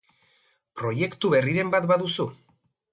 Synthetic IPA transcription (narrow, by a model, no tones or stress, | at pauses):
pɾo̞je̞kt̪uβe̞riɾe̞mbat̪baðusu